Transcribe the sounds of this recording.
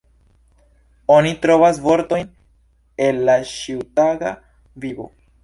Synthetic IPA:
o̞nitɾo̞vas̬vo̞ɾto̞jn | e̞lːaʃiwtaɡa̰ | vibo̞̰

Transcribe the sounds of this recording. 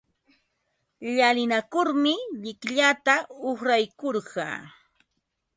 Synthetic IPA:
ʎalɪnakʊɾmɪʎɪkʎat̪aoχɾajkoɾɢɑ̰ː

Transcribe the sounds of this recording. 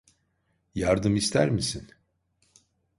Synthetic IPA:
jaɾd̪ɯmist̪ʰæ̰ɾmisin

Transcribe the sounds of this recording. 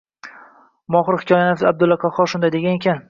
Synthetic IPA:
mɒχɨɾhɪ̥kʰʲɒjanɪfab̚d̪ʊlːaqʰaχɒɾʃʊnd̪ajd̪eanekʲʰan

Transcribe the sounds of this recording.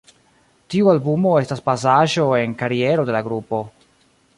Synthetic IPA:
tiualbumo̞e̞staspas̬aʒo̞e̞nkaɾie̞ɾo̞de̞laɡɾupo̞

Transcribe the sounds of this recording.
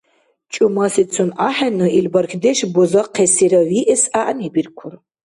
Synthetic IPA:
t͡ʃʼʊmasit͡sʰunaħanɨilbɐrxʲʰd̪eʃbozɐqʰːesiɾɐwiʔɛsaʔanibirkʷʰʊr

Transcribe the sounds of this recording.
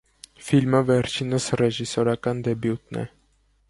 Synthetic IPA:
filməvɛɾt͡ʃʰinəsrɛʒisɔɾɑkɑnd̪ɛbjut̪nɛ̰

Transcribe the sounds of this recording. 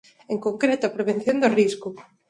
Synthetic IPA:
eŋkoŋkɾet̪oapɾeβ̞enθjond̪oriskʊ

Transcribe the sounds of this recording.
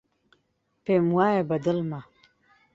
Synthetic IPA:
pemwaːjabɐd̪əlma

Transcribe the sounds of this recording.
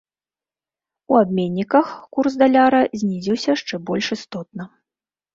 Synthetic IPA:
uabmʲenʲːikɐxkursd̪alʲaɾɐzʲnʲizʲiwsʲɐʂt͡ʂɛbɔlʲʂist̪ɔt̪̚nɐ

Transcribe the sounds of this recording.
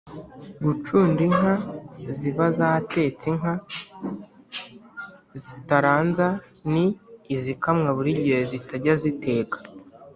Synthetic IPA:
ɡut͡ʃuːndiŋɦaziβazaːte̞ːt͡siŋɦa | zitaɾaːnza | niːzikamŋaβuɾiɟihezitaɟazite̞ːkḁ

